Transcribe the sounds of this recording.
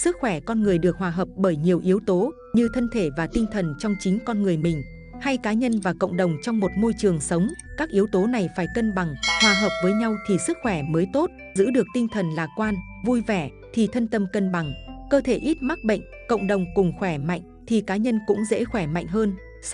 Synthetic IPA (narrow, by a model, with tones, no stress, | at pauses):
sɨ˦˥k̚xwɛ˧˩kɔ˧nŋɨ˨˩əjɗɨ˨˩ək̚hwaː˨˩ɦəː˨˩p̚ɓəː˧˩jɲi˨˩əwʔi˨˦əwt̪o˨˦ | ɲɨ˧t̪ʰə˧nt̪ʰe˧˩vaː˨˩t̪ï˧ŋ̟t̪ʰə˨˩nt͡ɕɔ˧wŋ͡mt͡ɕï˨˦ŋ̟kɔ˧nŋɨ˨˩əjmï˨˩ŋ̟ | ha˧jkaː˨˦ɲə˧nvaː˨˩kə̰˧˨wŋ͡mɗə˨˩wŋ͡mt͡ɕɔ˧wŋ͡mmo˨˩t̚mo˧jt͡ɕɨ˨˩əŋsə˨˦wŋ͡mkaː˦˥k̚ʔi˨˦əwt̪o˨˦na˨˩jfaː˧˩jkə˧nɓa˨˩ŋhwaː˧˩ɦəː˨˩wp̚vəː˨˦jɲa˧wt̪ʰi˨˩sɨ˦˥k̚xwɛ˧˩məː˨˦jt̪o˦˥t̚ | zɨ̰˧˥ɗɨ˨˩ək̚t̪ï˧ŋ̟t̪ʰə˨˩nlaː˨˩kwaː˧nvu˧jvɛ˧˩ | t̪ʰi˨˩t̪ʰə˧nt̪ə˧mkə˧nɓa˨˩ŋkəː˧t̪ʰe˧˩ʔi˦˥t̚ma˦˥t̚ɓə̰˧˨jŋ̟kə̰˧˨wŋ͡mɗə˨˩wŋ͡mkʊ˨˩ŋ͡mxwɛ˧˩ma̰˧˨jŋ̟t̪ʰi˨˩kaː˨˦ɲə˧nkʊ̰˧˥ŋ͡mzḛ˧˥xwɛ˧˩ma̰˧˨jŋ̟ɦəː˧n